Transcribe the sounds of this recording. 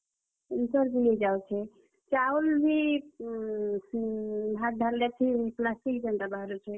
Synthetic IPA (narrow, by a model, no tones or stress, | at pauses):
insəɾbiled͡ʒawt͡ʃʰɛ | t͡ʃaulbʱi | bʱak̚ɖʱaldɛt͡ʃʰiiplasʈikd͡ʒənt̪abʱaɾut͡ʃʰɛ